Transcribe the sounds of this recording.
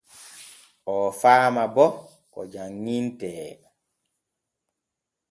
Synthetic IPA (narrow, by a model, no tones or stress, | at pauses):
ʔɔfaːmabɔ | kɔ̰d͡ʒaŋːintɛː